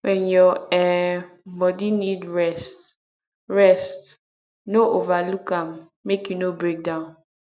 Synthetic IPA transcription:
wɛ̃njɔɛ | bɔdinidɹɛst | ɹɛst | noʔovalukamː | ekjunobɹek̚dãʊ̃n

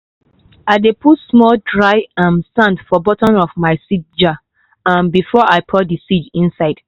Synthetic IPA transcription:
aɪdeputsmɔldɹaɪãnsãndfɔbɔtɔ̃nɔfmaɪsid͡ʒa | ãnbifɔʔaɪpʰɔdisid͡ʒĩnsaɪd̥

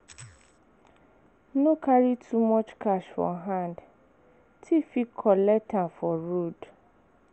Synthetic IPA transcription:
nõkʰaɹitʰumɔt͡ʃkʰaʃfɔ̰ɦãnd | tʰifikʰɔlɛtʰãfɔɹod

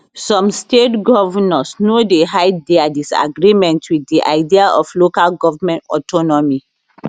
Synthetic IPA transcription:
sɔ̃mstetɡɔvanɔsnodeɦajdɛadisa̰ɡɹimɛ̃ntʰwidːiʔa̰ɪdiaʔɔflokalɡɔvamɛ̃ntɔ̰tɔnɔmi

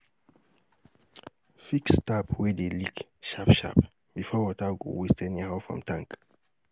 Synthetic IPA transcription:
fikstapwɛdelikʃapʃa̰p | bifɔwɔtaɡo̰westɛnihaʊfɹɔ̰̃mtʰãŋk

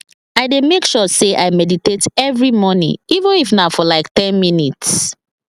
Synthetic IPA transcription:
aɪdemekʃɔseʔaɪmɛditetɛvɹimɔnḭ̃ivə̃nifnaʊfɔlaɪktɛ̃nminits

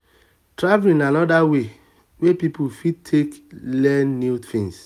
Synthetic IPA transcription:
tɹavlĩnanɔdawe | wepipufid̚tʰeklɛnːuθḭ̃ŋs

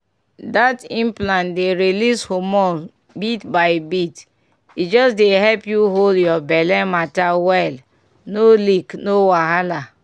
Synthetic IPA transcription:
datĩmplãndeɾilishomɔ | bitbaɪbit | id͡ʒɔsdeɦɛlpjuɦoldjɔbɛlɛmatawɛl | noliknowaɦala

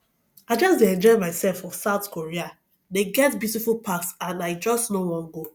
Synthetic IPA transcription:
aɪd͡ʒɔsdeɛ̃nd͡ʒɔɪmaɪsɛlfɔfsaʊθkʰoɹia | deɡɛtbjutifulˠpʰaksãnaɪd͡ʒɔstnowɔ̃nɡo

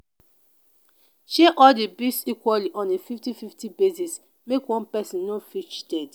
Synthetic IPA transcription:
ʃeʔɔldebisikwaliʔɔ̃nefiftififtibesis | mekwɔ̃npɛsĩnnofit͡ʃdɛd

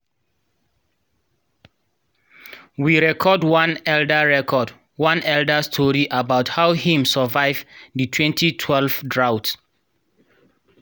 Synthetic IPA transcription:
wiɹɛkʰɔdwãnɛldəɹɛkʰɔd | wãnɛldəstʰɔɹiʔabaʊthawhĩmsəvaɪvditʰwɛ̃ntʰitʰwɛlvdɹawt

